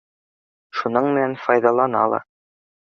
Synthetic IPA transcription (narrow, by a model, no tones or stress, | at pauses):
ʃunɤɴmɘ̆nænfɒjðɑlˠɑnɑ̰lˠɑ̰